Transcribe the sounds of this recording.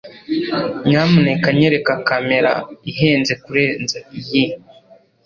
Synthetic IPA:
ɲamunekaɲeɾe̞kakame̞ɾa̰iɦeːnzekuɾeːnzaiji

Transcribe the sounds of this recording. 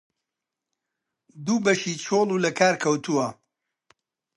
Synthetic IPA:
d̪uːbɐʃiːt͡ʃʰoːlˠuːlɐkʰaːɾkʰɐwt̪ʰuwɐ

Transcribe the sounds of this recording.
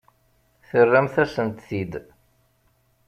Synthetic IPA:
θərːæmθæsəmt̪θid̪

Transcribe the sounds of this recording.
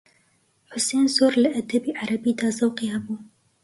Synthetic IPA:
ħʊseːnsoːɾləʔɐd̪ɐbiːʕaɾɐbiːd̪ɑːzɐwqiːhɛbuː

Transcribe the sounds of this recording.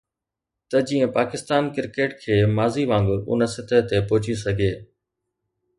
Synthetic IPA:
t̪ɐd͡ʑiːə̃paːkɪst̪aːnkɪɾkeːʈkʰeːmaːziʋãːŋɡʊ̰nəsɪt̪ʰət̪epʊɦʊt͡ɕis̬ɐɡʱeː

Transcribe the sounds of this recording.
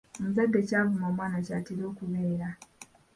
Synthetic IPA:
omuzaɡːecaːvumo̞ːmwaːnacaːtiɾo̞ːkuβeːɾa

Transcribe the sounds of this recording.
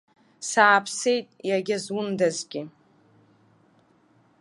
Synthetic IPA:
saːpʰse̞jtʼjaɡʲazwʊndazɡʲɪ

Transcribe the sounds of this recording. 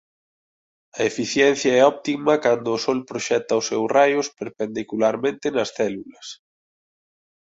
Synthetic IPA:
ɐefiθjɛnθjɐɛɔpt̪imɐkand̪ʊːsɔlpɾoʃɛt̪ɐʊsɛwrajʊspeɾpend̪ikulaɾmẽnt̪ɪnɐsθɛlulɐs

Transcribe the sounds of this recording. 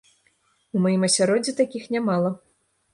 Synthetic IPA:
umajimɐsʲaɾɔdd͡zʲːit̪akʲixnʲamalˠɐ

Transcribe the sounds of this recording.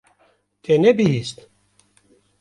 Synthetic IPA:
t̪ʰenɛbihist̪

